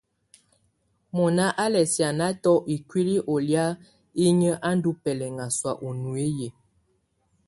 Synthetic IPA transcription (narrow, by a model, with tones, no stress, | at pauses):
mɔ˨na˦ʔa˦lɛ˨sja˨na˦tɔ˦ʔi˨kwi˦li˦ʔo˨lja˦ | i˦ɲə˦ʔa˦n˦du˦pɛ˨lɛ˨ŋa˨swa̰˨ʔo˨nu˨e˦je˨